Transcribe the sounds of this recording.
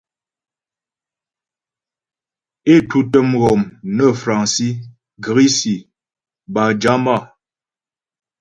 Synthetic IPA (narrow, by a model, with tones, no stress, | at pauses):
e˦˨tu˦tə˦mɣɔ˨mnə˦fɾa˨ŋsi˦ | ɡə˨ɣi˦si˨ | ba˨d͡ʒa˦ma˦˨